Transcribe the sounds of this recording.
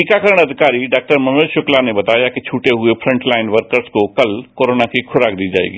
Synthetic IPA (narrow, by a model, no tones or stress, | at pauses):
iːkakəɾəɽ̃ɐd̪ʱɪkaːɾiɖaːk̚ʈəɾmɐ̃meːlʃʊklanebɐt̪aːjakit͡ʃʰuːʈeɦʊepʰɾə̃ɳʈlaːɪnʋəɾkəɾskokɐlkoːɾoːnakikʰʊɾaːk̚d̪iːd͡ʒa̰ːḛːɡiː